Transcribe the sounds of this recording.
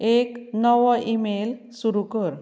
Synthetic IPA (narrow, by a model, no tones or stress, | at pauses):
eknɔʋɔʔimel | suɾukəɾ